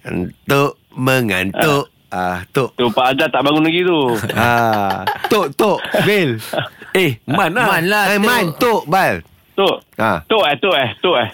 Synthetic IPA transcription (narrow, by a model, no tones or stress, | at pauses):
nt̪oʔ | məŋa̰nt̪oʔ | at̪oʔt̪upaʔad͡ʒat̪aʔbaŋunlaɡit̪ua | t̪oʔt̪oʔbelehmanamanlamant̪oʔbal | t̪oʔat̪oʔɛht̪oʔɛht̪oʔɛ